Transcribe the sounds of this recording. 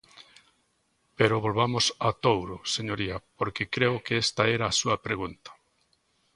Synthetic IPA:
peɾʊβolβamʊsat̪owɾoseɲoɾiɐpoɾkekɾeʊkeest̪ɐɛɾaːsuɐpɾeɣ̞unt̪ɐ̥

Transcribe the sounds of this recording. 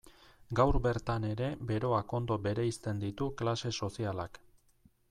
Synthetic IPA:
ɡawɾbe̞ɾt̪ane̞ɾe̞be̞ɾo̞ako̞nd̪o̞be̞ɾe̞ist̪e̞nd̪it̪uklase̞so̞sialak

